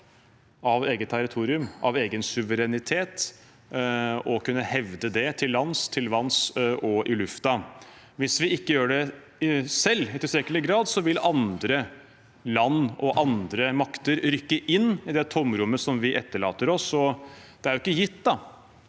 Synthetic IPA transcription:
ɑʋeːɡət̪ʰːæɾɪt̪ʰuːɾɪʉmɑ̰ʋeːɡənsʉʋəɾɛnɪt̪ʰeːt̪ | ɔkʰʉnːəhɛʋd̪əd̪ɛt̪ʰɪlːɑnst̪ʰɪlʋɑnsɔʔɪlʉft̪ɑ | ʋɪsʋɪɪkːəjøːɖɛ | sɛlːɪt̪ɪsɾɛkəɭɪɡɾɑːd̪sɔʋɪlɑnd̪ɾə | lɑnːɔʔɑnd̪ɾəmɑkt̪əɾɾʏkːəʔɪnːɪd̪ɛt̪ʰɔmɾʉmːəsɔmʋɪʔɛt̪ːəɭɑ̰ːt̪əɾɔsɔd̪̥ɛæɾjʊɪkːəjɪt̪ːd̪ɑ

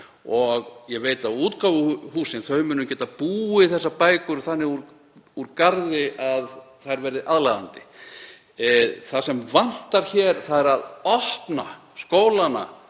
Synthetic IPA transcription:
ɔɣjɛveːjt̪auːt̪kawvʏɦuːsɪnθœɥmʏnːʏmcɛːt̪apuːɪθɛsːapaːjkʏɾθanːɪɣuɾ | uɾkaɾðɪʔað | θaɾvɛːɾɪðʔaðlaða̰nt̪ɪ̥ | θasɛmvan̥t̪aɾ̥çɛːɾ̥θaðɛɾaðɔht̪na | skoːwlana̰

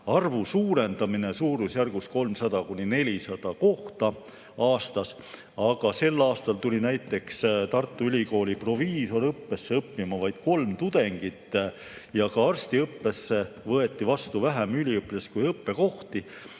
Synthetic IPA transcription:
ɑrvusuːɾe̞nd̪̥ɑmine̞suːɾusjærɡ̥usko̞lmsɑd̪̥ɑkunʲine̞lʲisɑd̪̥ɑko̞ht̪ɑ | ɑːst̪ɑs | ɑɡ̥ɑse̞lːɑːst̪ɑlt̪ulʲinæjt̪ːˑe̞kst̪ɑrt̪ːˑuylʲiko̞ːlʲipro̞viːso̞ɾɤpːe̞sːeɤpːimɑvɑjd̪̥ko̞lmt̪ud̪̥e̞ŋɡ̥it̪ːˑ | jɑkɑɑrst̪iɤpːe̞sːe̞vɤe̞t̪ːˑivɑst̪uvæɦæmylʲiɤpːleskujɤpːe̞ko̞ht̪i

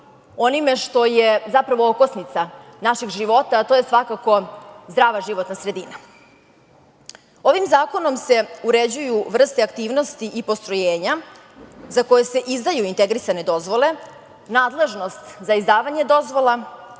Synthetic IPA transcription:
o̞nime̞ʃt̪o̞jezapɾaʋo̞okosnit̪sanaʃiɡʒiʋo̞t̪at̪ojesʋakako̞zd̪ɾaːʋaʒiʋo̞t̪nasɾe̞d̪iːna | o̞ʋimzaːko̞no̞mse̞uɾe̞d͡ʑujuʋr̩st̪eakt̪iːʋno̞st̪iʔipo̞st̪ɾojeːɲa | zako̞je̞se̞ʔizd̪ajuint̪e̞ɡɾisane̞d̪o̞zʋo̞le̞ | naːd̪le̞ʒno̞st̪zaizd̪aːʋaɲe̞d̪o̞zʋo̞la

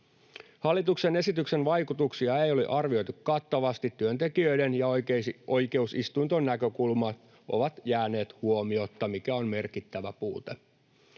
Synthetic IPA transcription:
hɑlːit̪ukse̞ne̞sit̪ykse̞nʋɑjkut̪uksiɑe̞jo̞lḭʔɑrʋio̞jt̪ukkɑt̪ːɑʋɑst̪it̪ːyønt̪e̞kiø̞jdenjɑo̞jke̞usist̪unt̪onːækø̞kulmɑt̪ | ʔo̞̰ʋɑt̪jæːne̞ːt̪huo̞mio̞t̪ːɑmikæo̞nme̞rkit̪ːæʋæpuːt̪e

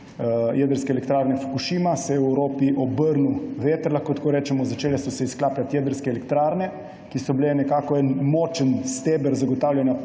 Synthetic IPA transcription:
jɛd̪əɾskɛːlɛk̚t̪ɾaːɾnɛfu̥kuʃiːmasɛɛwɾoːpiʔɔbəɾnuʋeːt̪əɾlaxkot̪ḁkoːɾɛːt͡ʃɛmɔzat͡ʃeːlɛsɔsɛisklaːplʲat̪jɛd̪əɾskɛːlɛkt̪ɾaɾnɛ | kisɔbilɛnɛkaːkɔɛnmɔːt͡ʃənst̪eːbəɾzaɡɔt̪aːwlʲjanja

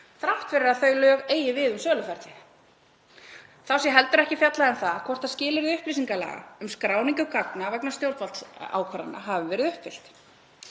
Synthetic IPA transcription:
θɾaht̪fɪɾɪɾaθœɥlœːɣeːjɪvɪðʏmsœːlʏfɛɾt̪ɪ | θawsjɛɦɛlt̪ʏɾɛhcɪfjat̪laðɛnθaðkʰvɔr̥t̪aðscɪːlɪɾðʏhpɾisiŋkala̰ɣa̰ʏmskɾaːwniŋcʏkaknavɛknast̪jowlt̪valt̪a̰ːwkʰvaɾa̰na̰ɦavʏvɛːɾɪðʏhpfɪl̥t̪

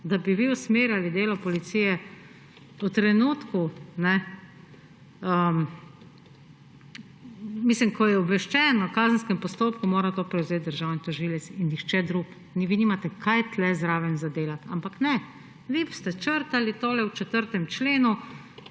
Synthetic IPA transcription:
d̪abiʋiusmeːɾjalid̪eːlɔpɔlit̪siːjɛ | ut̪ɾɛnuːt̪kunɛ | ə | mislimkʰɔjɛɔbʋɛʃt͡ʃɛːnɔkaːzənskɛmpɔst̪oːpkumoːɾat̪oːpɾɛwzet̪̚d̪əɾʒaːwnit̪ɔʒiːlɛsinːixt͡ʃɛd̪ɾuk | niʋinimat̪ɛkʰajt̪lɛzɾaːʋɛnzad̪eːlat̪a̰mpaknɛ | ʋist̪ɛt͡ʃəɾt̪alit̪oːlɛwt͡ʃɛt̪əɾt̪ɛmt͡ʃleːnu

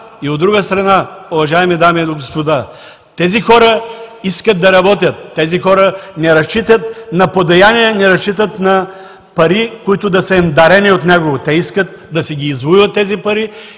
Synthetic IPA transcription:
iod̪ːɾuɡəst̪ɾɐnaʊvɐʒaɛmid̪amiɛd̪oɡospod̪a | t̪ɛzixɔɾəiskət̪̚d̪ɐɾɐbɔt̪̬ʲjət̪ːɛzixɔɾənɛɾɐst͡ʃit̪ət̪̚nɐpod̪ɐjaniɛnɛɾɐst͡ʃit̪̬ət̪nɐ | pɐɾikoit̪ʊd̪ɐsəɛnd̪ɐɾɛniot̪nɛɡovot̪ɛiskət̪̚ | d̪ɐsɛɡʲiːzvuivɐt̪ːɛzipɐɾi

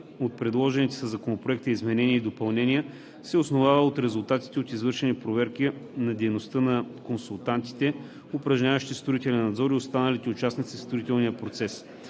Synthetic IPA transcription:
ot̪̚pɾɛd̪lˠɔʒɛnit̪ɛ̥sɐzɐkonopɾoɛk̚t̪əizmɛnɛniəid̪opɐlˠnɛnʲiə | sɛosnovavəot̪ɾɛzʊlˠt̪at̪i̥t̪ɛot̪izvɤɾʃɛnipɾovɛɾk̟inɐd̪ɛjnost̪ənɐkonsulˠt̪ant̪i̥t̪ɛ | opɾɐʒɲʲavəʃt̪ist̪ɾʊit̪ɛlɛnːɐd̪zɔɾiost̪anəlit̪ɛʊt͡ʃasnit̪sist̪ɾʊit̪ɛlˠnijəpɾot̪sɛs

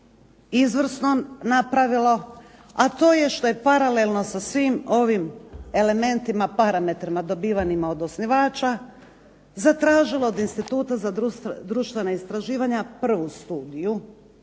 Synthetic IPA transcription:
izʋr̩snonapɾaʋilo̞at̪o̞ːje̞ʃt̪o̞je̞paɾale̞lno̞sasʋiːmo̞ʋime̞le̞me̞nt̪imapaɾame̞t̪ɾimad̪o̞biːʋaɲimao̞d̪o̞sniʋaːt͡ʃa | zat̪ɾaːʒilˠo̞od̪inst̪it̪uːt̪azad̪usd̪ɾuʃt̪ʋe̞naist̪ɾaʒiːʋaɲapr̩ʋust̪uːd̪iju

